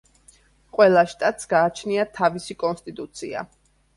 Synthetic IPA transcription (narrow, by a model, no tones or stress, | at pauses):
qʼwɛlˠaʃt̪ʼat̪ʼsɡaːt͡ʃʰniat̪ʰavisikʼɔnst̪ʼit̪ʼut̪sʰia̰